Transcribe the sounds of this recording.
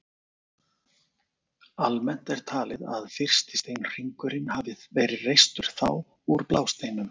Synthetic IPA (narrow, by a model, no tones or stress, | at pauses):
almɛn̥t̪ɛɾ̥t̪ʰaːlɪða̰ðfɪr̥st̪ɪ̥st̪ejnr̥iŋkʏɾɪnhavɪvɛːɾɪrejst̪ʏɾ̥θa̰w | uɾplaːwst̪eːjnʏm